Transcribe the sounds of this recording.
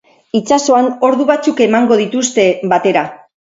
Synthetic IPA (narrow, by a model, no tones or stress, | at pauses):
it͡ʃaso̞ano̞ɾðuβat͡suke̞maŋɡo̞ð̞it̪ust̪e̞βat̪e̞ɾa